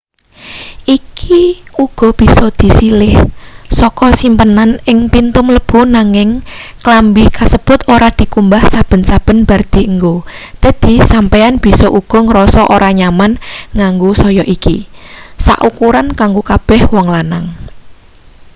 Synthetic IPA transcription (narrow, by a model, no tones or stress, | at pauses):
ʔikʰiuɡ̥ɔ̤b̥i̤sɔd̪̥i̤silɪhsɔkɔsimpənanɪŋpint̪ʊmləb̥ṳnaŋɪŋklambikasəb̥ʊt̪oɾad̪̥i̤kumbahsab̥ə̤nsab̥ə̤nb̥a̤rd̪̥i̤əŋɡot̪əd̪̥i̤sampeanb̥i̤sɔʔuɡ̥ɔ̤ŋəɾɔsɔʔoɾaɲamanŋaŋɡusɔjɔʔikisa̰ʔukuɾankaŋɡokab̥ɛhwɔŋlanaŋ